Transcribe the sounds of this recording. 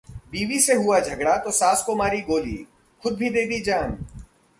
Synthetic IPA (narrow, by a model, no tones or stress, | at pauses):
biːʋiseɦuad͡ʒʱɐɡɽat̪osaːskomaːɾiɡoːlḭː | xʊd̪̚bʱid̪eːd̪id͡ʒaːn